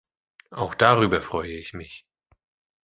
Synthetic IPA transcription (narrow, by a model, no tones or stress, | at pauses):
ʔaʊxd̥aʁyːbɐfʁ̥ɔʏəɪçmɪç